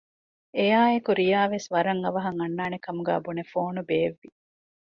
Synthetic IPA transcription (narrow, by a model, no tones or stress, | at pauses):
ejaːekuɾijaːʋesʋɐɾɐŋɐʋɐɦɐŋɐnːaːnekɐmuɡæ̰ːbunefoːnubeːʋːi